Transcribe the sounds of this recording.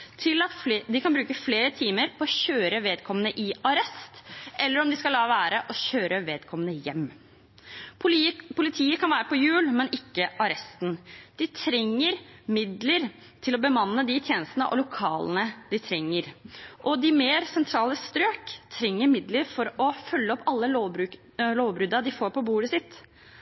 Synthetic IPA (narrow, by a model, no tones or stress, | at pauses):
t̪ʰɪlɑt̪d̪ɪkʰɑnbɾʉːkəfleːɾət̪ʰiːməɾpʰɔɔçøːɾəʋeːd̪̚kʰɔmːənəʔɪɑɾɛst̪ʔɛlːəɾɔmd̪ɪskɑlɑːʋæːɾəʔɔɕøːɾəʋeːd̪kʰɔmːənəjɛmː | pʰʊlɪt̪ʰiːəkʰɑnʋæːɾəpʰɔjʉːlmɛnɪkːəʔɑɾɛst̪nd̪̥ɪt̪ʰɾɛŋːəɾmɪd̪ləɾ | t̪ʰɪlɔbəmɑnːəd̪ɪt̪ʰjeːnəst̪nə̰ʔɔ̰lʊkʰɑːlnəd̪ɪt̪ʰɾɛŋːəɾʔɔd̪ɪmeːɾsɛnt̪ʰɾɑːləst̪ɾøːkt̪ʰɾɛŋːəɾmɪd̪ləɾfɔɾɔfœlːəɔpːɑlːəlobɾʉ | loːʋbɾʉd̪ɑd̪ɪfoːɾpʰɔbuːɖəsɪt̪ː